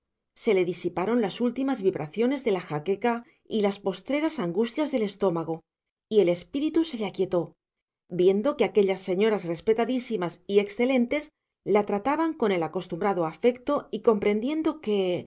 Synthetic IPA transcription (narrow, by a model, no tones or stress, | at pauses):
se̞le̞ðisipaɾo̞nlasult̪imazβiβɾaθjo̞ne̞zðe̞laxake̞ka | ilaspo̞st̪ɾe̞ɾasaŋɡust̪jazðe̞le̞st̪o̞maɣ̞o | ie̞le̞spiɾit̪use̞leakje̞t̪o̞ | bje̞nd̪o̞keake̞ʎasːe̞ɲo̞ɾasre̞spe̞t̪aðisimasie̞ksθe̞le̞nt̪e̞s | lat̪ɾat̪aβaŋko̞ne̞lako̞st̪umbɾaðoafe̞kt̪o̞iko̞mpɾe̞nd̪je̞nd̪o̞ke̞